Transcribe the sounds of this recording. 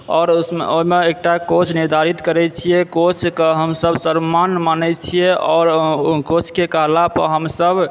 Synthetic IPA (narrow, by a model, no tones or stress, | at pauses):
ɔːɾoimeek̚ʈakot͡ʃʰniɾd̪ʱaɾit̪kəɾɛt͡ʃʰijɛkot͡ʃʰkəɦəmsəbʱsəɾmanmanɛt͡ʃʰijeʔɔɾkot͡ʃʰkekəɦlapə̰ɦəmsəb